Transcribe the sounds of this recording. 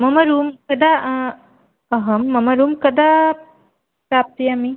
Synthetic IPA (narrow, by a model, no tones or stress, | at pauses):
mɐmɐɾuːmkɐd̪ʱa | ɐɦɐmːɐmɐɾuːmkɐd̪ʱa | pɾaːp̚t̪ijeɐmi